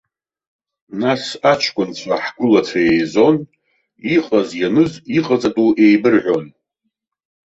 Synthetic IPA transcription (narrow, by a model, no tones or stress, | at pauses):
nasat͡ʃʰkʷʼʊnt͡sʷʰaħɡʷʊlatʷʰaejzo̞n | iqʼazjanɨziqʼat͡sʼatʼuʔe̞jbɨrʕʷᶣo̞n